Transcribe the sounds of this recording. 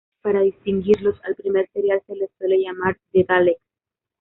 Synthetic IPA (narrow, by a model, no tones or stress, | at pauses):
paɾaðist̪iŋɡiɾlosalpɾimeɾseɾjalkelesweleʝamaɾd̪et̪aleks